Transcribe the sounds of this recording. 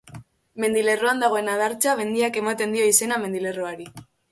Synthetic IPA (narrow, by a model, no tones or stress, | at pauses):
me̞nd̪ile̞roand̪aɣ̞o̞e̞naðaɾt͡ʃaβe̞nd̪iake̞mat̪e̞nd̪io̞ise̞name̞nd̪ile̞roaɾi